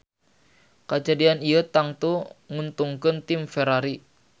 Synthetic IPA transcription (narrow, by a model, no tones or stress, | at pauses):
kad͡ʒadianijət̪aŋt̪uŋunt̪uŋkənt̪ɪmfɛɾaɾi